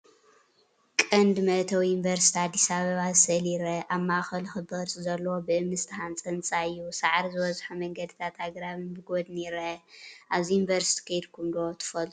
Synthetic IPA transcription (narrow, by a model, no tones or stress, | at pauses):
kʼɐnd̪mɐt̪ʰɐwjunvɐɾsi̥t̪ʰiad̪ːisaβɐβazɨsɐliɾɐʔaβmaxɐlxɨbɐɾsʼzɐlːɐwobɨʔɨmːɨst̪ʰɨhant͡sʼɐnt͡sʼaɨjːusaʕɾizɨβɐzħumɐŋɡɐd̪ɨt̪ʰat̪haɡɾaβɨnbɨɡod̪niɾɐʔaβzijunvɐɾsi̥t̪ʰi̥kʰɐjd̪kʰumd̪ot̪ʰɨ̥fɐlt̪ʰʼu̥